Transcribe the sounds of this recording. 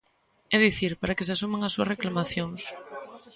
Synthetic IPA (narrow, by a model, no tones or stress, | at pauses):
ɛðiθiɾpaɾakes̬asumeŋasːuɐreklamaθjoŋs